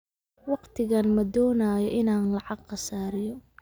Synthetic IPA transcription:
wɑqt̪ʰɪɣɐnmɐd̪ɔːnaːjɔʔɪnaːnlɑʕɑɡqɑsaːɾɪjɔ

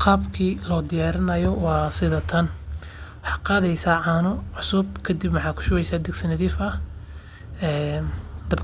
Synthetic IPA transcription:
qɑːbkʰiːlɔːd̪ɪjaːɾɪnɐjɔwɑːsɪðɐt̪ʰɐn | wɑħɑːqɑːðɛjsaːʕɑːnʊʕʊsʊb̚kʰɐd̪ɪbmɑħɑːkʰʊ̥ʃʊɣɛjsaːd̪ɪɡsɐnɐðiːfɐ | ɛːnd̪ɐb

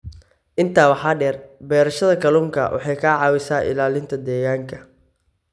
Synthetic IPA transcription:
ʔɪnt̪ʰaːwɑħɑːɖɛːrbɛːɾɐʃɐðɐkʰɐluːŋkʰɐ̰wʔɑ̰ħɑjkʰɐʕɑːwɪsaːʔɪ̰laːlɪnt̪ʰɐd̪ɛːɣaːŋkʰɐ

